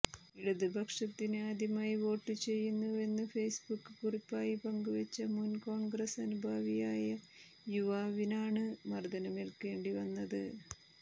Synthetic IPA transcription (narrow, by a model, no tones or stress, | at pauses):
iɽuðɨbʱɐkʂɐt̪ːinɨaːd̪ʱimaːjiʋo̞ːʈːɨt͡ɕe̞jːunːue̞nːɨfe̞ːsbukːɨkuripːaːjipɐŋɡuʋet͡ɕːɐmunko̞ːɳɡrɐsɐnubʱaːʋijaːjɐ | juʋaːʋinaːɳɨmɐrd̪ɐnɐmelke̞ːɳɖiʋɐnːɐðɨ